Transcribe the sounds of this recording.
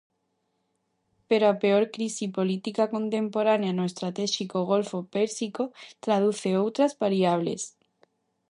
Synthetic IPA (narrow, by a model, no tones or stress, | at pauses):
peɾoapeoɾkɾisipo̞lit̪ikako̞nt̪ẽ̞mpo̞ɾanjanoest̪ɾat̪eʃikoɣ̞o̞lfopeɾsikot̪ɾað̞uθeowt̪ɾazβaɾiaβ̞lḛs